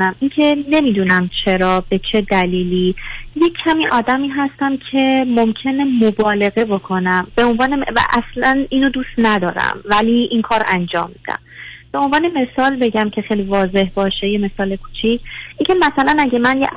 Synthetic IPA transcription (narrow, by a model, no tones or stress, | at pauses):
næmincʰe̞ne̞miːd̪uːnæmt͡ʃʰe̞ɾɒːbe̞t͡ʃʰe̞d̪æliːlije̞cʰːæmiːʔɒːd̪æmiːɦæst̪æmcʰe̞mo̞mcʰe̞ne̞mobɒːle̞ɣe̞bokʰo̞næmb̥e̞o̞nvɒːnevæ̰ʔæslæniːnod̪uːst̪næd̪ɒːɾæ̰mvæliʔinkʰɒːɾʔænd͡ʒɒ̰ːmːid̪æ̰mb̥e̞o̞nvɒːneme̞sɒːlbe̞ɟæmcʰe̞xejlivɒːze̞ɦbɒːʃe̞je̞me̞sɒːle̞kʰuːt͡ʃʰicʰincʰe̞mæsælænæɟemænjḛ